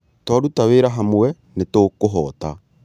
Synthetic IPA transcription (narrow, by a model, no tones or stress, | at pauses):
twaɾutaweːɾaɦamwɛ | netokoɦɔ̰ːta